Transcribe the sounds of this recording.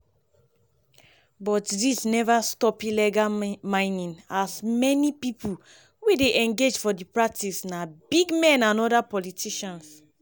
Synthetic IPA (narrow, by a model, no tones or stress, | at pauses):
bɔtdisnɛvastɔpilɛɡamãɪ̃nĩnasmɛnipipʰu | wedeʔɛ̃ŋɡed͡ʒfɔdipɹak̚tisnabiɡmɛ̃nãnɔdapɔlitʰiʃãns